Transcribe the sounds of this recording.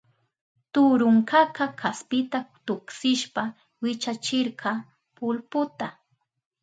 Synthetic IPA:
t̪ʊɾʊŋkɑkakʰaspɪt̪at̪ʊksɪʃpa | wɪt͡ʃat͡ʃɪɾɢɑ | pʊlpʊt̪a

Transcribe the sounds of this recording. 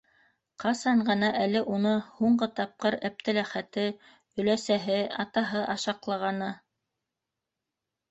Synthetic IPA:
qɑsɑɴɢɤ̆nɑʔælɘʔunɤhuɴɢɤt̪ɑp̚qɤɾæp̚t̪ɘ̆læχæt̪ɘ | ɵ̆læsæɦɘɑt̪ɑɦɤʔɑʃɑqlˠɑʁɑnɤ

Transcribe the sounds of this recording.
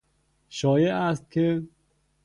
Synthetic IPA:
ʃɒːjeʔæst̪̚kʲʰe

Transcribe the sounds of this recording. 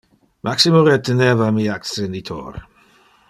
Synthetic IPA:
mʔaksɪmɔɾɛtənɛvamiaksɛnitʰɔ̰ːr

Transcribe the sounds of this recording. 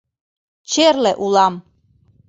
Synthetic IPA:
t͡ʃʰɛɾlɛʔulam

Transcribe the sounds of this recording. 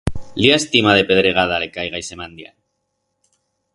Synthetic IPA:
liaest̪imaðe̞pe̞ðɾeɣaðale̞kajɣajse̞mãnd̪ja̰n

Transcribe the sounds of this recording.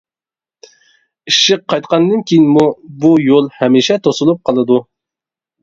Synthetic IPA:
iʃɪq̚qʰːɑjt̪qɑnd̪ɨnkʲʰijinmubujolˠhɛmiʃɛt̪ʰosulˠup̚qʰɑlˠɨd̪u

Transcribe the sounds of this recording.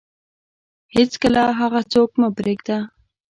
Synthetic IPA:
het͡skəlaɦaɣat͡sokməbɾeɡd̪a

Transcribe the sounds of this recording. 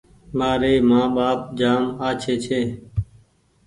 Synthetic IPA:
maːɾeːmãːɓaːp̚d͡ʒaːmaːt͡ʃʰeːt͡ʃʰeː

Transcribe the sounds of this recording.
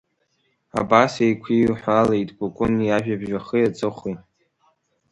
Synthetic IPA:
a̰basejkʷʰiħʷale̞jtʼɡokʼʊniaʒᶣabʒᶣaχəjat͡sʼɨχʷitʼ

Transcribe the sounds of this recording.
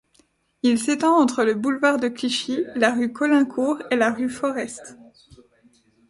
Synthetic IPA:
ilset̪ɑ̃ɑ̃t̪χələbulvaʁd̪əkliʃilaʁykʰɔlɛ̃kʰuʁelaʁyfɔʁɛst̪

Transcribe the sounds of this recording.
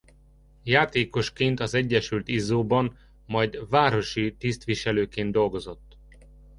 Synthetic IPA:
jaːt̪eːko̞ʃkeːnt̪ɒzɛɟːɛʃylt̪izoːbɒn | mɒjd̪vaːɾo̞ʃit̪ist̪ʋiʃɛløːkeːnd̪d̪o̞lɡo̞zo̞t̪ː

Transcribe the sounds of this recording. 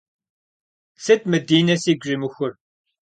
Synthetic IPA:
sɨt̚mɨdiːnɐsiːɡʷʒɪmɨxʷʊr

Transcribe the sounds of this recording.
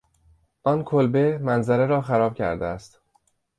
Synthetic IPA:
ʔɒːnkʰolbe̞mænzæɾe̞ɾɒːxæɾɒːb̥̚cʰæ̰ɾd̪eæst̪

